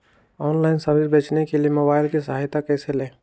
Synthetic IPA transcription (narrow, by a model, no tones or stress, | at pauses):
ɔːnlaːɪnsɐmɪɾbeːt͡ʃnekelijemobaːɪlkisɐɦaːjt̪akɛːseleː